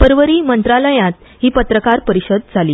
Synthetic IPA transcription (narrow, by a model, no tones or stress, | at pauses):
pəɾʋəɾiːmənt̪ɾaləjãt̪ | hiːpət̪ɾəkaɾpəɾiɕəd̪̚d͡zʱaliː